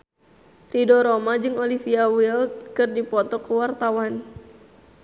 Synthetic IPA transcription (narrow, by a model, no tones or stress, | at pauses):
ridoɾomad͡ʒɨŋolifiawilkɨrdipɔt̪ɔkəwart̪awan